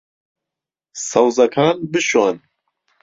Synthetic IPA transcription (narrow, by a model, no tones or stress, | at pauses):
sawzɐkʰaːnbɨʃoːn